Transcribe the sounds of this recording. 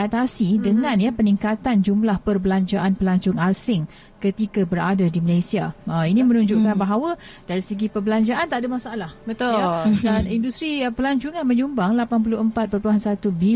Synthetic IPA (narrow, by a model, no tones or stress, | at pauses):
at̪asidəŋãnjəpəniŋkat̪and͡ʒumlahpərbəlaɲd͡ʒaʔanpəlaɲt͡ʃʊŋasɪŋ | kət̪ikabəɾadadiməlajsiaəinimə̃nũɲd͡ʒuʔkanbaɦawədaɾisəɡipərbəlaɲd͡ʒaʔant̪aʔdamasaʔalahbət̪danindust̪ɾipəlaɲt͡ʃuŋanmə̃ɲumbaŋlapanp̬ulʊhəmpat̪̚pərpluɦansat̪ubi